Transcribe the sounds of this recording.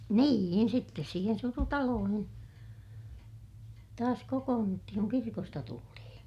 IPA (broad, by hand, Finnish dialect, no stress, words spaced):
niːin sitːes siːhen surutɑloːhin tɑːs kokoːnːutːihiŋ kuŋ kirkostɑ tultihĩː